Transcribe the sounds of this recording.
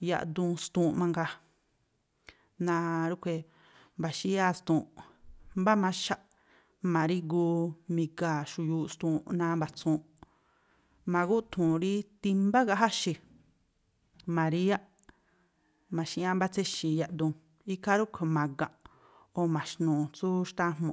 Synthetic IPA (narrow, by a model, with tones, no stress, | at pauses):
ja̰˧ʔd̪ũ˧st̪ũ˧mã˧ŋɡa˧ | nã˧ɾu˦kʷe˧ | mba˨ʃi˦a˦st̪ũː˨mba˦mã˧ʃa˦ʔ | mã˨ɾi˦ɡuː˧mĩ˧ɡa˨ʃu˧˨juː˧st̪ũː˧nã˧mba˨t͡sũː˧˨˦ | mã˨˧ɡu˦t̪ʰũ˨ɾi˦t̪i˧mba˦ɣa˧ɦa˦ʃi˧ | mã˨ɾi˦a˦ | mã˨ʃi˧ʔã˦mba˦t͡se˦ʃi˨ja˧ʔd̪ũ˧ | i˦ka˦ɾu˦kʷʰe˧˨mã˨ɡã˨ | o˧˨mã˨ʃnũː˨t͡su˦ʃt̪ã˦mũ˨